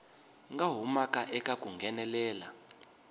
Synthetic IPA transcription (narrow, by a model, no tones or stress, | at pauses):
ŋɡaɦumakʼaʔɛkʼakʼuŋɡʱɛnɛlɛːla̰